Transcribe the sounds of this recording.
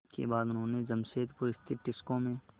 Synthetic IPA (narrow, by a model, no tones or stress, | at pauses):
kḛbaːd̪ʊnɦõːnezɐmseːt̪pʊɾɪst̪ʰɪt̪ʈːɪskõmẽ